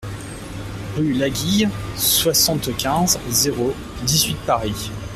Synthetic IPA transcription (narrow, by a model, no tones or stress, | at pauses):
ʁylaɡʲijswasɑ̃t̪kʲɛ̃zzeʁo | d̪izɥit̪̚paʁi